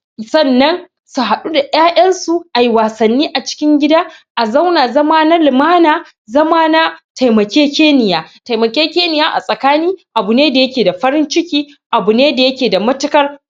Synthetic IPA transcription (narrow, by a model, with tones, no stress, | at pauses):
sɐ˦nːɐ˦n | su˨ɦa˨ɗu˦da˨ʔaː˦jʔɐ˦nsu˨ʔa˨ji˨waː˨sɐ˨nːiː˦ʔa˨t͡ʃɪ̥˦kʲɪ˦ŋɡʲɪ˦da˦ʔa˨za˦wnaː˨zɐ˦maː˦na˦lɪ˨maː˦naː˨ | zɐ˦maː˦na˦tʰa˨jmɐ˨kʲeː˦kʲeː˦nɪ˨jaː˦ta˨jmɐ˨kʲeː˦kʲeː˦nɪ˨jaː˦ʔa̰˨sʼɐ˨kaː˦niː˦ʔa˨bu˨neː˦da˨jɐ˦kʲeː˨da˨ɸɐ˦ɾɪ˦nt͡ʃɪ˦kʲiː˦ | ʔa˨bu˨neː˦da˨jɐ˦kʲeː˨da˨mɐ˦tʊ˦kɐ˦r